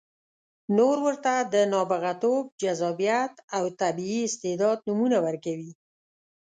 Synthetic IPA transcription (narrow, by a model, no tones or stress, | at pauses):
noɾwəɾt̪ad̪ənɑbaɣat̪ob̚d͡ʒazɑbijat̪awt̪abiːɪst̪ed̪ɑd̪̚numunawəɾkawi